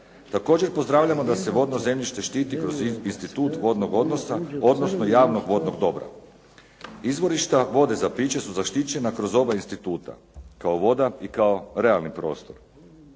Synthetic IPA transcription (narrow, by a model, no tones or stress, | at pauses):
t̪ako̞ːd͡ʑeɾpo̞zd̪ɾaːʋlʎamo̞d̪ase̞ʋo̞d̪no̞ze̞mʎiʃt̪e̞ʃt̪iːt̪ikɾo̞zinst̪it̪uːt̪ʋo̞d̪noɡo̞d̪no̞sao̞d̪no̞snojaːʋno̞ɡʋo̞d̪no̞ɡd̪o̞bɾa̰ | izʋo̞ɾiʃt̪aʋo̞d̪e̞zapiːt͡ɕe̞suzaʃt̪it͡ɕe̞nakɾo̞zo̞bainst̪it̪uːt̪a̰ | kaoʋo̞d̪aikao̞ɾe̞alˠnipɾo̞̰ːst̪o̞ɾ